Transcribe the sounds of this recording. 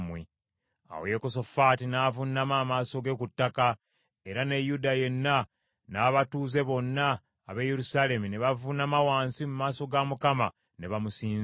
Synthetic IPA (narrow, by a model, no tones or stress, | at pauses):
mwe | a̰wo̰jekoso̞faːtinaːvunːamaːmaːso̞ɡe̞kutːaka | e̞ɾane̞judaje̞nːa | naːβatuːze̞βo̞nːaː | βeje̞ɾusaːle̞mune̞βavunamawaːnsimumaːso̞ɡamukama | ne̞βamusiːz